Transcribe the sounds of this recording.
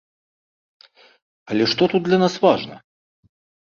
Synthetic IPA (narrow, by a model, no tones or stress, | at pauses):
ɐlʲɛʂt̪ɔt̪ut̪̚d̪lʲɐnasvaʐnɐ̰